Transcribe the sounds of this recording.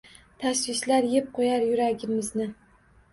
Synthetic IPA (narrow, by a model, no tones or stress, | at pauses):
t̪ʰaswɪslaɾjep̚qʰojaɾjʊɾaɡʲɪmɪznɪ